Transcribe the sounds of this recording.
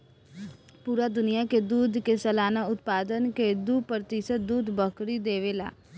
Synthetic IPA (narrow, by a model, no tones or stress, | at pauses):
puːɾaːd̪ʊnɪjaːked̪uːd̪kesəlaːnaːʊt̪paːd̪ənked̪uːpɾət̪ɪsət̪̚d̪uːd̪bəkɾiːd̪eːʋeːla̰ː